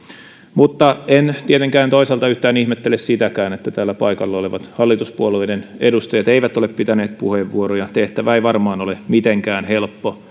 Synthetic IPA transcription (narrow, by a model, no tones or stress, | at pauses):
mut̪ːɑent̪iet̪eŋkæːnt̪oisɑlt̪ɑyht̪æːnihmet̪ːelessit̪ækæːnet̪ːæt̪æːlːæpɑ̰ikɑlːɑoleʋɑt̪hɑlːit̪uspuoluinenḛdust̪ɑjɑt̪eiʋæt̪oleppit̪æneːt̪̚pṵheʋʋuorojɑt̪eht̪æʋæeiʋɑrmɑːnolemit̪eŋkæːnhelpːo